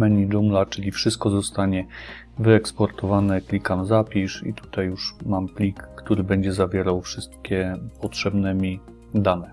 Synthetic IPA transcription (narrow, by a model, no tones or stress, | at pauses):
mɛɲiɖ͡ʐumlat͡ʂɘlʲifʂɘst̪̚kɔzɔst̪aɲɛ | vɘɛkspɔɾt̪ɔvanɛklʲikamzapʲiʂḭt̪u̥t̪ajjuʂmamplʲikːt̪uɾɘbɛɲd͡ʑɛzavʲjɛɾawfʂɘst̪̚kʲɛpɔtʂɛbnɛmʲi | d̪anɛ